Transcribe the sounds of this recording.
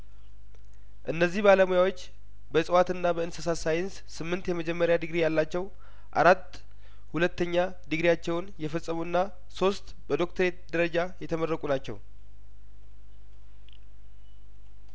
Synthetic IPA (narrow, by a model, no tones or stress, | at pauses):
ʔɨnːəzːihbaləmujawo̞t͡ʃː | bəsʼɨwat̪ɨnːabəɨnsəsasajɪns | sɨmːɨnt̪jɛməd͡ʒɛmːəɾjad̪ɨɡɾijalːat͡ʃːɛw | ʔa̰ɾat̪ː | hulət̪ːəɲːa | d̪ɨɡɾijat͡ʃːɛwnjɛfəsʼːəmuɨnːa | so̞st̪ | bəd̪o̞kt̪ʰəɾe̞t̪̚d̪əɾəd͡ʒajɛt̪ʰəmərːəkʼunat͡ʃːɛ̰w